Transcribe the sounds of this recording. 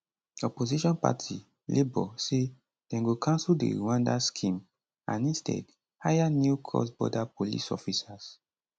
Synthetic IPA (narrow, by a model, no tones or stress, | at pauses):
ɔpoziʃɔ̃npa̰tʰi | lʔebɔse | d̥ɛ̃nɡokãnsuldḛɾuwãndaskʰĩm | ãnĩnstʰɛ̰d | hajanukʰɔ̰sbɔ̰dapolḭsɔ̰fisas